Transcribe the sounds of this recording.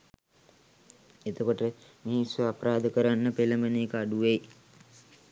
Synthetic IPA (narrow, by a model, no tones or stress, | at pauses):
et̪okoʈəmisʋəapɾaːd̪əkəɾanːəpeləmbəneːkəaɖuʋej